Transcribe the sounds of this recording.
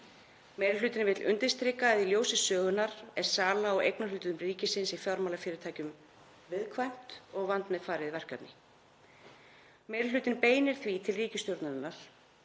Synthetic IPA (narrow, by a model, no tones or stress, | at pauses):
mejɾlʏːt̪ɪnvɪt̪lʔʏ̰nt̪ɪnst̪ɾɪkaðiljowsɪsœːɣʏnːaɾɛɾ̥saːlaɔʔḛjknaʏːt̪ɪðʏmriːcɪsɪnsifjɔɾmaːlafɪːɾɪɾt̪ʰaːjcʏm | vɪðkʰvajm̥t̪ɔɣvant̪nɪðfaːɾɪðvɛr̥kat̪nɪ | meːjɾɪlʏːt̪ɪnpeːjnɪɾ̥θvit̪ʰɪlriːcɪst̪joɾt̪naðɪnːaɾ̥